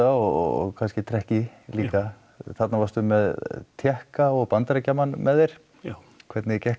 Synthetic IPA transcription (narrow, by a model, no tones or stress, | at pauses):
aɔ̰kʰanscɪt̪ʰɾɛhcɪliːka | θat̪navaɾst̪ʏmɛðt̪ʰjɛhkaɔɣpant̪aɾacamanmɛðeɾ̥ | kʰvɛɾt̪nɪcɛh